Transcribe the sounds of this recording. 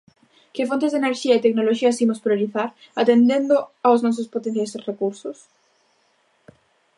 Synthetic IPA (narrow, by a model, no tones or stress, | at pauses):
kefont̪ezðeneɾʃiait̪eknoloʃiasimospɾjoɾiθaɾ | at̪end̪ẽnd̪oaoznos̬ospot̪enθjasrekuɾsos